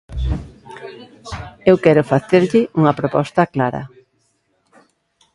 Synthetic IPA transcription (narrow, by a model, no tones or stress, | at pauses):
ewkɛɾʊfaθeɾʎɪʔuŋɐpɾopɔst̪ɐklaɾɐ̰